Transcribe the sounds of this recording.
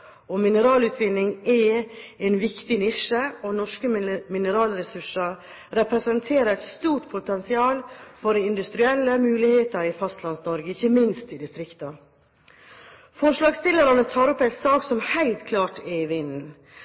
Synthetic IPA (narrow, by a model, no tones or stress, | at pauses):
ɔmɪnəɾɑːlʉːt̪ʰʋɪnːɪŋɛɛɪnʋɪkt̪ɪnɪʂəɔnɔʂkəmɪnəɾɑːlɾɛsʉʂəɾ | ɾɛpɾɛsɛnt̪ʰeːɾəɾɛt̪st̪uːʈpʰʊt̪ɛnsɪɑːlfɔɾɛɪnd̪ʉst̪ɾɪɛlːəmʉːlɪheːt̪əɾɪfɑst̪lɑnsnɔɾɡəɪçəmɪnst̪ɪd̪ɪst̪ɾɪkt̪ɑ | fɔʂlɑːɡst̪ɪləɾɑnət̪ʰɑːɾɔpːæɪsɑːksɔmhæɪlt̪kʰlɑːʈɛɪʋɪnn̩